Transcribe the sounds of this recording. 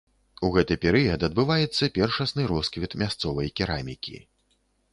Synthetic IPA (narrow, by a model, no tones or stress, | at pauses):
uɣɛt̪ɨpʲɛɾɨjɐd̪ɐd̪̚bɨvajɛt̪sːɐpʲɛrʂɐsnɨɾɔskvʲit̪mʲast̪sɔvɐjkʲiɾamʲikʲḭ